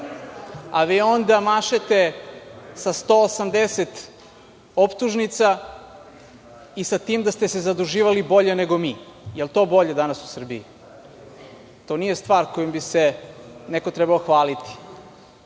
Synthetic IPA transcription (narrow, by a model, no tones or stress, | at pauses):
aʋio̞nd̪amaʃet̪e̞ | sast̪oːsamd̪eset̪ | opt̪uʒnit̪sa | isat̪iːmd̪ast̪ese̞zad̪uʒiːʋalibo̞ʎeneɡo̞miːjelˠt̪o̞ːbo̞ʎe̞d̪anasu̥sr̩bii | t̪o̞nijest̪ʋaːɾko̞jombiseneko̞t̪ɾɛbaoxʋaːlit̪i̥